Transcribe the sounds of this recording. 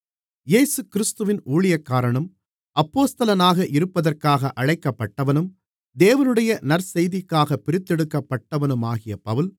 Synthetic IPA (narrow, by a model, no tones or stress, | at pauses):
jeːsɯkɪɾɪst̪ɯʋɪnuːɭɪjɐkːaːɾɐɳɐm | ɐpːoːst̪ɐlɐnaːɣɐʔɪɾɯpːɐðɐrkaːɣɐʔɐɻɐɪkːɐpːɐʈːɐʋɐnɯm | d̪eːʋɐnɯɽɐjɐnɐɾsɛjðɪkːaːɣɐpːɪɾɪt̪ːɛɽɯkːɐpːɐʈːɐʋɐnɯmaːɣɪjɐpɐʋɯl